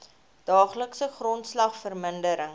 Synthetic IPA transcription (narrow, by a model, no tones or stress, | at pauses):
d̥ɑːχləksəχrɔntslɐχfərməndəɾəŋ